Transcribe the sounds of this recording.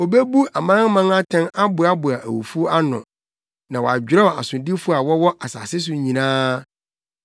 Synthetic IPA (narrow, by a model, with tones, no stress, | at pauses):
o˨be˦bu˦a˨mãː˦ŋ˦mã˦ŋa˦tʰɛ̃˦na˦bʊ˨a˦bʊ˨a˨ʔæ̰˨wṵ˨fu˦a˦nʊ̰̃˨ | nã˨wɔ˨a̰˨d͡ʑᶣɪ˨ɾɛ˦ɔ˨a̰˨sʊ̃˨ndi˦fʊ˦a˨wɔ˦wɔ˦ʔa˨sa̰ː˨sɪ˦s̬ʊ˨ɲĩ˨nãː˦